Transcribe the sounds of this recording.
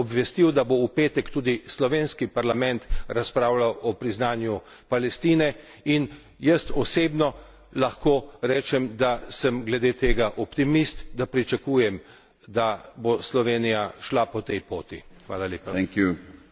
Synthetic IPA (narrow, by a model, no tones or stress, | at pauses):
ɔbʋɛst̪iwd̪aboupeːt̪ɛkt̪uːd̪islɔʋenskipaɾlamɛnt̪ɾaspɾaːwlawɔpɾiznaːnju | palɛst̪iːnɛ | in | jəst̪ɔseːbnɔ | laxkoːɾɛːt͡ʃɛmd̪asəmɡlɛd̪eːt̪eːɡaʔɔpt̪imist̪d̪apɾit͡ʃakuːjɛm | d̪aboslɔʋeːnijaʃlapɔt̪ɛjpoːt̪ixʋa̰ːlalʲeːpaɛŋkju